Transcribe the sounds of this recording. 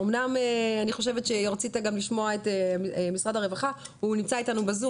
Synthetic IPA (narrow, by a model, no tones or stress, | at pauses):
omnameaniχo̞ʃ̬evet̪ʃeʁat͡sitaɡamliʃmo̞aetemisʁadhaʁevaχa | unimt͡saitanubazu